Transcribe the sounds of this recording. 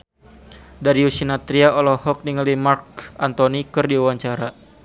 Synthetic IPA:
daɾiusinat̪ɾiaɔlɔhɔk̚niŋəlimark̚ant̪ɔnikɨrdiuwaɲt͡ʃaɾa

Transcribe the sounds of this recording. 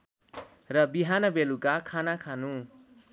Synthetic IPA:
rʌbiɦanʌbelukakʰanakʰanu

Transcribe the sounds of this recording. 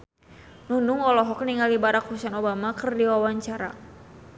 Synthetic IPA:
nunuŋɔlɔɦɔk̚niŋalibaɾakhusɛnobamakərdiwawaɲt͡ʃaɾa̰

